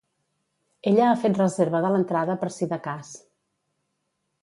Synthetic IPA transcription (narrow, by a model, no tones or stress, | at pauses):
eʎəːfet̪rəzeɾβəðələnt̪ɾaðəpəɾsiðəkas